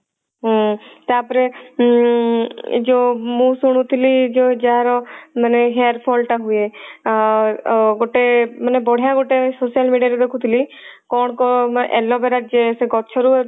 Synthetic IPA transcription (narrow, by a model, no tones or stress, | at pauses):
ɦt̪eapɾe | d͡ʒomũsuɽ̃ut̪ʰilid͡ʒod͡ʒaɾɔməneɦeɾpʰɔːlʈaɦue | ɡoʈemənebɔɽ̤ijãɡoʈesoːsijəlmiːɖijaɾed̪ekʰut̪ʰilikɔːɳ̃kɔʔɛ̰lɔbeɾad͡ʒeseɡɔt͡ʃʰɔɾu